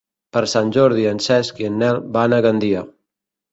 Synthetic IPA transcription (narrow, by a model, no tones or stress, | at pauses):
pəɾsanʲd͡ʒɔɾðiansɛskiənːɛlbanaɣand̪ia